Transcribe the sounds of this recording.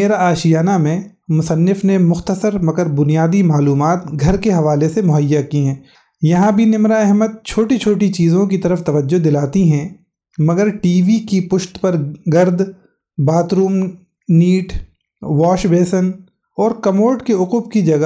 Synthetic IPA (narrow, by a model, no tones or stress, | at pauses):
eːɾaaːʃijaːnamẽ | mʊsənːɪfnemʊxt̪əsəɾmɐɡəɾbʊnijaːd̪imaːluːmaːt̪ɡʱɐɾkeɦɐʋaːlesemʊɦəjːakiɦɛ̃ː | jɐɦãbʱinɪmɾaɛɦməd̪̚t͡ʃʰoːʈit͡ʃʰoːʈ̬it͡ʃiːzõk̬it̪ɐɾəft̪ɐʋəd͡ʒːod̪ɪlaːt̪iɦɛ̃ː | mɐɡəɾʈiːʋikipʊʃt̪pɐɾɡɐɾd̪ | baːt̪ɾuːm | niːʈ | ʋaːʃbeːsən | ɔːɾkɐmoːʈkeʊqʊb̚kid͡ʒɐɡə